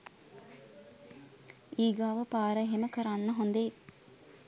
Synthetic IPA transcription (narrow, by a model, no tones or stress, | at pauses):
iːɡaːʋəpaːɾəɦeməkəɾanːəɦond̪e